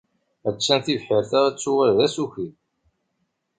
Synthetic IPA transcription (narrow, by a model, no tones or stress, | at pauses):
æt͡sːænθivħɪɾθæʁæt͡sːuwæɾðæsuçi